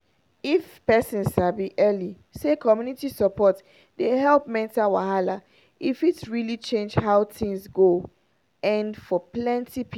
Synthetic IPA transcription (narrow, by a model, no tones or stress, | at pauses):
if | pɛsɔ̃nsabiʔɛli | sekʰɔmjunitisəpɔt | deɦɛlˠpmɛ̃ntawaɦala | ifitɹilit͡ʃẽnd͡ʒɦaʊθĩŋzɡo | ɛ̃nfɔplɛ̃ntip